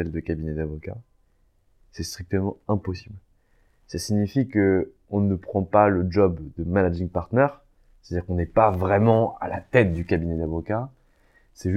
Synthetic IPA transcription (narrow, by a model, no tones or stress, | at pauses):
ɛld̪əkabinɛd̪avɔka̰ | sɛst̪χik̚t̪əmɑ̃ɛ̃pɔsibl | sasiɲifikə | ɔ̃nəpχɑ̃paləd͡ʒɔbd̪əmanad͡ʒĩŋpaʁt̪nɛʁ | sɛ̥t̪ad̪ʲiʁkɔ̃nɛpavʁɛmɑ̃a̰la̰t̪ɛt̪̚d̪ykabinɛd̪avɔka | sɛʒ